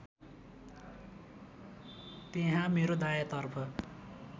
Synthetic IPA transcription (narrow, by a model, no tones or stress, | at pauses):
t̪eɦãmeɾod̪ajat̪ʌrpʰʌ